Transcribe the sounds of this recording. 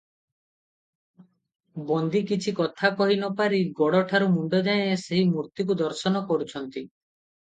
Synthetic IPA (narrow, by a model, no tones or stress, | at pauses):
bɔnd̪ikit͡ʃʰikɔt̪ʰakɔɦinɔpaɾiɡɔɽɔʈʰaɾumuɳɖɔd̪aẽeseɦimuɾt̪ikud̪ɔɾsɔnɔkɔɾut͡ʃʰɔnt̪i